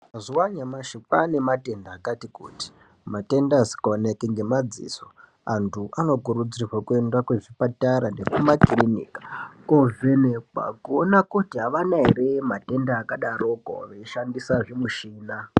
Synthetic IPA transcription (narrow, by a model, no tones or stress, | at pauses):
mazuwaɲamaʃipane̞mate̞ndaːkatikṵːti̥ | mate̞ndazi̥konekeŋɡe̞mad͡zḭːso | antʰuʔano̞kuɾud͡zirwakue̞ndakweʐipataɾanepumakrinḭːkḁkoveneka̰kuonakutiɦaʋanaɦeɾe̞mate̞ndaːkaɗaroko̰ʋeiʃandisaʐemuʃiːna